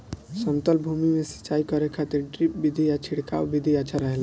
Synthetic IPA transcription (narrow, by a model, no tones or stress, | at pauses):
səmt̪əlbʱumimesə̥t͡ʃaikəɾekʰat̪iɾɖɾip̚bid̪ʱiat͡ʃʰiɽka̰wbid̪ʱiaːt͡ʃʰaɾəɦɛl